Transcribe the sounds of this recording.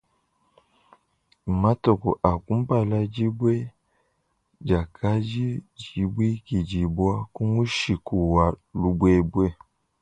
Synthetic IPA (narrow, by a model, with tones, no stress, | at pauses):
ma˦to˨ku˨ʔa˨ku˦m˦ba˨la˦d͡ʒi˦bwe˦ | d͡ʒa˨kʰa˦d͡ʒi˦d͡ʒi˨bwi˦ki˨d͡ʒi˨bwa˦ku˦ŋu˦ʃi˨ku˨wa˨lu˨bwe˦bwe˦˨